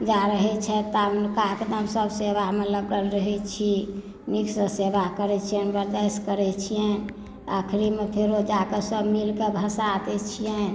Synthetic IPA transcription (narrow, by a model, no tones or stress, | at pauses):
d͡ʒaɾəɦɛt͡ʃʰɛt̪akaɦked̪əmsəbseʋaɦmeləɡəlɾəɦɛt͡ʃʰi | niksəseʋakəɾɛt͡ʃʰiɛbəɾd̪ɛskəɾɛt͡ʃʰijɛ | a̰kʰɾimepʰeɾod͡ʒakesəbmilkebʱəsat̪ɛt͡ʃʰijɛ